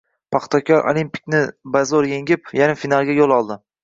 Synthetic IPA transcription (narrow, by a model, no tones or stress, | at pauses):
pʰaχt̪ʰokʰʲɒɾʔo̰lˠimpi̥k̚ʲnɪbazoɾje̞ŋʲɪpjanɪfinalˠɡʲajolˠɒlˠd̪ɪ